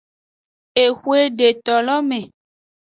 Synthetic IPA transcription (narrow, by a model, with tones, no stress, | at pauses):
e˨xu˦e˦ɖe˨t̪ɔ˨lɔ˦mẽ˨